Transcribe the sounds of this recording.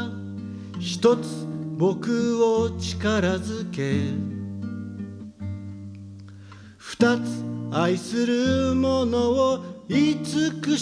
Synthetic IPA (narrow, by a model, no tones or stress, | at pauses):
çi̥t̪o̞t͡sɨ̥bo̞kɯot͡ɕi̥kaɾazɨke̞ | ɸɯ̟̥t̪at͡sɨ̥aisɨɾɯmonooit͡sɨkɯ̟